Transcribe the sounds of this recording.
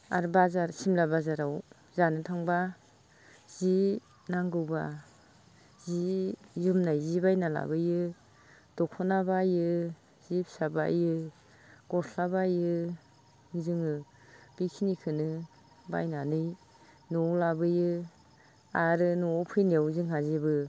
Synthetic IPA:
a̰ɾbazaɾsimlabazaɾaw | zanɯtʰaŋba | z̥i | naŋɡɯwba | zijumnajzibajnala̰bɯjɯ | d̥ɔkʰɔnabajɯ | z̥ip̚saba̰jɯ | ɡ̥ɔsʰabajɯ | zɯŋɯ | b̥ikʰinikʰɯnɯ | ba̰jnanɯj | nɔwlabɯjɯ | aɾɯnɔpʰɯjnijawzɯŋɦazibɯ

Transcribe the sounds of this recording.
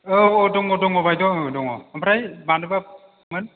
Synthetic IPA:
oɔdɔŋɔdɔŋɔbajdɔdɔŋɔampʰɾajbanɯba | mɯn

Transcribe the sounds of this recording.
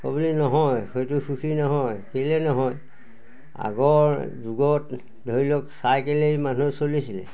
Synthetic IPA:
ko̰bulinɔɦɔjhojtʊxuxʰinɔɦɔjkelɛnɔɦɔj | a̰ɡɔɹzuɡɔt | dʱoɹilɔksajkelejmanusolisilɛ̰

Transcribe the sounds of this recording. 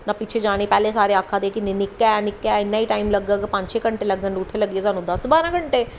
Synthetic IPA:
nãːpɪt͡ʃʰeːd͡ʒaːɽ̃eːpɛːleːsaːɾeːaːkʰːaːd̪eːkinnɪkːɛːnɪkːɛːɪnːãːiːʈaːimləɡakpə̃ɲt͡ʃeːkəɳʈeːləɡənʊt̪ʰːeːləɡeːs̬aːnũːd̪əsbaːɾãːkəɳʈeː

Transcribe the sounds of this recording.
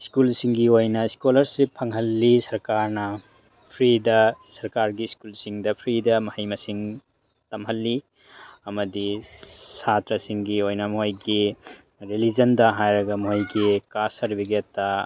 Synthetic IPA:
skulsiŋɡiojnɐiskolɐɾsipʰɐŋɦɐlːisɐɾkaɾnɐ | pʰɾidɐsɐɾkaɾɡiskulsiŋdɐpʰɾidɐmɐhɐjmɐsiŋ | tɐmɦɐlːi | ɐmɐdisatɾɐsiŋɡiojnɐmojɡi | ɾelid͡ʒɐndɐɦajɾɐɡɐmojɡikasɐɾbiɡetːɐ

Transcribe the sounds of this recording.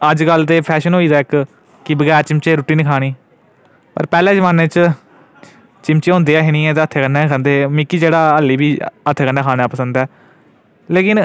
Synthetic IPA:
əd͡ʒɡəlt̪eːpʰɛːʃənɦoːiːd̪aːɪk | kɪbəɡɛːɾt͡ʃɪmt͡ʃeːɾuːʈiːnɪkʰaːɽ̃iː | pə̰ɾpɛːlẽːd͡ʒəʋaːneːt͡ʃ | t͡ʃɪmt͡ʃeːɦʊ̃ːnd̪eːɛːɦɪñĩːɛ̃ːt̪̬eːət̪ʰːeːkənɛːkʰə̃nd̪eːmɪkiːd͡ʒeːɽaːəlːiːbiːət̪ʰːeːkə̃ɳɖaːkʰaːnaːpəsənd̪ɛː | leːkɪn

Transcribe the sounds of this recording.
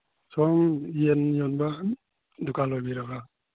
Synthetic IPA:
sɔŋienjɔnba | dukʰalojbiɾaɡa

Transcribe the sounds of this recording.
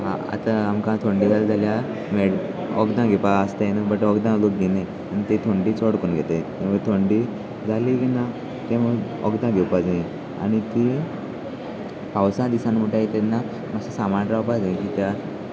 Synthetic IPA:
ɦa̰a̰t̪aamkãt̪ʰoɳɖiɡald͡zʱalja | meɽ | ɔɡd̪ãɡʱepaəst̪ajenəbəʈɔɡd̪ãlokɡene | anit̪et̪ʰoɳɖiːt͡sɔɽkonɡʱet̪et̪ẽmət̪ʰoɳɖi | d͡zʱaliɡina | t̪emə | ɔ̰ɡd̪ãɡʱɛwpad͡zeẽ | a̰ɽ̃it̪i | pawsãd̪isanm̤əʈajet̪enːa | masasamanɾawpad͡zẽkit̪ja

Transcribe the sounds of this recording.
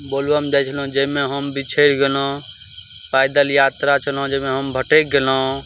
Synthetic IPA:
bolʋamd͡ʒajt͡ʃʰəlũd͡ʒəmeɦəmbit͡ʃʰeɾɡelõ | pajd̪əljat̪ɾat͡ʃʰəlõd͡ʒəmẽɦəmbʱəʈek̚ɡelõ

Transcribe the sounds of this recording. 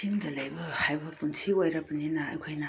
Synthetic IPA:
iŋdɐlɐjbɐhajbɐpunsʰiojɾɐpɐninɐ̰ːjkʰojnɐ

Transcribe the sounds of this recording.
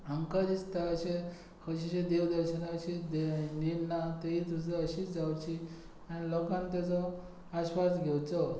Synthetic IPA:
ɦəŋkaɾist̪aəɕẽ | kʰəɕiɕẽd̪eʋd̪əɾɕənat͡ɕid̪eninat̪eɦit̪us̬aəɕid͡zawt͡ɕi | aɽ̃ilɔkãnt̪jat͡sɔ | aɕʋas̬ɡʱewt͡sɔ

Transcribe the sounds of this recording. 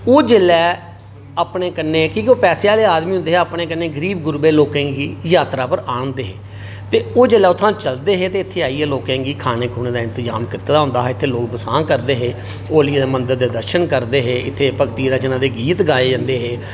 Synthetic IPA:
oːd͡ʒelɛː | apɳeːkənːẽːkĩːkioːpɛːseːaːleːaːd̪miːɦʊ̃nd̪eːɦɛəpɳeːkənːeːɡəɾiːbɡʊɾbeːloːkɛ̃ːŋɡiːjaːt̪ɾaːpəɾãːnd̪eːɦeː | t̪eːoːd͡ʒelɛːʊt̪ʰːãːt͡ʃəld̪eːɦeːt̪eːɪt̪ʰːeːaːiːɛːloːkɛ̃ːŋɡiːkʰaːneːkʰuːneːd̪aːɪnt̪əd͡ʒa̰ːmkɪt̪ːeːd̪aːʊnd̪aːɦɛːɪt̪ʰːeːloːkbəsãːkəɾd̪eːɦeː | oːliːd̪eːmənd̪əɾd̪eːd̪əɾʃənkəɾd̪eːɦeːʔɪt̪ʰːeːpəkt̪iːɾaːd͡ʒɪnãːd̪eːɡiːt̪ɡaːeːd͡ʒãnd̪eːɦeː

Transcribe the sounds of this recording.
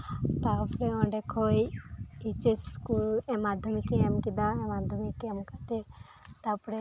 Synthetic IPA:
t̪apɽeɔɳɖekʰɔjit͡ʃeskuɛmad̪ʱɔmikeɛmkid̪aɛmad̪ʱɔmikɛmkat̪e | t̪apɽe

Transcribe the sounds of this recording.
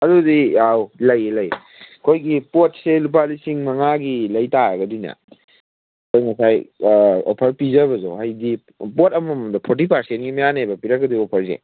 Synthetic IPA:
ɐdudijawlɐjlɐj | kʰojɡipot̚selup̬alisiŋmɐŋaɡilɐjtaɾɐɡɐdinɐ̰ | kʰojŋɐsajo̰pʰɐɾpizɐbɐzo̰ɦajdi | potɐmɐmdapʰoɾt̬ipʰaɾsentɡimajanabɐpiɾɐk̚ːɐdiopʰɐɾzḛ

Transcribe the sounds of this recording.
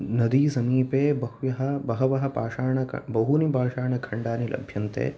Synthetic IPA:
nɐd̪iːsɐmiːpeːbɐhujɐɦɐbɐɦɐʋɐɦɐ̆pa̰ːʂaːɳɐkʰɐ̰bɐɦunibʱaːʂaːɳɐkʰɐɳɖaːnilɐ̰bʱjɐnt̪ḛː

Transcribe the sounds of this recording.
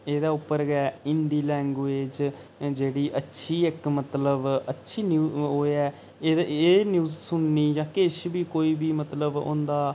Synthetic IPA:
eːd̪aːʊpːəɾɡɛːɪnd̪iːlɛ̃ːŋɡʋeːd͡ʒ | d͡ʒeːɽiːʔətːʃʰiːɪkmət̪ləbətːʃʰiːnjuːɦoːɛː | eːnjuːzsʊɳniːjãːkɪʃbiːkoːiːbiːmət̪ləbʊ̰̃nd̪aː

